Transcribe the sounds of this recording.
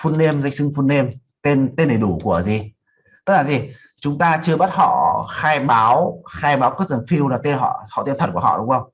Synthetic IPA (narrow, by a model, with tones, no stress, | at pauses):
fu˧nːe˧mza˧˩jk̟sɨ˧ŋfu˧nːe˧m | t̪e˧nt̪e˧nɗe˨˧˩jɗu˧˩ku˧˩əzi˨˩ | t̪ə˦˥k̚laː˨˩zi˨˩ | t͡ɕʊ˨˦ŋ͡mt̪aː˧t͡ɕɨ˧əɓaː˦˥t̚hɔ̰˧˨xaː˧jɓaː˨˦wxaː˧jɓaː˨˦wkɨ˦˥k̪̚ə˨˩fi˧wlaː˨˩t̪e˧nɦɔ̰˧˨hɔ̰˧˨t̪i˧˨nt̪̚ʰkːɔ̰˧˨ɗʊ˨˦ŋ͡mʔə˧wŋ͡m